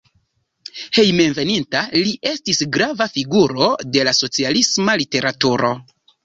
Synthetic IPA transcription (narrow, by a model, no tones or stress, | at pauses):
he̞jme̞nve̞nintaliʔe̞stisɡɾavafiɡuɾo̞de̞laso̞t͡sialismalite̞ɾatuɾo̞